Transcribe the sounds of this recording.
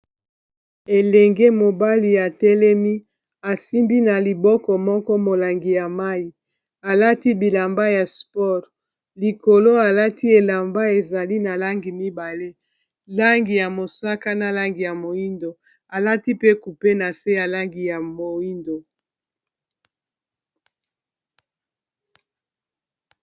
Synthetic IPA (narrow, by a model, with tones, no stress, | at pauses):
e˨lɛ˨ŋɡe˦mo˨ba˦li˨ja˨tɛ˦lɛ˦mi˦ | a˨si˦mbi˦na˨li˨bɔ˦kɔ˨mɔ˦kɔ˦mo˨la˨ŋɡi˨ja˨ma˦i˨ | a˨la˦ti˦bi˨la˨mba˦ja˨spɔ˦˨ʁ | li˨ko˨lo˦a˨la˦ti˦e˨la˨mba˦e˨za˨li˦na˨la˦ŋɡi˨mi˦ba˨le˦ | la˦ŋɡi˨ja˨mo˨sa˦ka˦na˨la˦ŋɡi˨ja˨mo˨i˦ndo˨ | a˨la˦ti˦pe˦ku˨pe˦na˨se˦ja˨la˦ŋɡi˨ja˨mo˨i˦ndo˨